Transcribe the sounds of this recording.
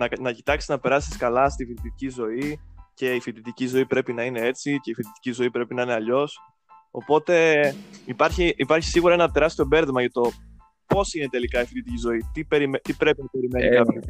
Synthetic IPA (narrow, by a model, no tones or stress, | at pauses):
nɐnɐcit̪ɐksi̥znɐpe̞ɾɐsi̥skɐlɐst̪ifit̪it̪icizo̞ice̞ifit̪it̪icizo̞ipɾe̞pinɐine̞e̞t͡sice̞ifit̪it̪i̥cizo̞ipɾe̞pinɐine̞ɐʎo̞s | o̞̰po̞t̪e̞ipɐɾçiʔːpɐɾçi̥siɣuɾɐenɐt̪e̞ɾɐst̪io̞be̞ɾðemɐʝɐt̪o̞ | po̞sine̞t̪e̞likɐifit̪it̪icizo̞it̪ipeɾimet̪ipɾepinɐe̞ɾime̞nikɐpço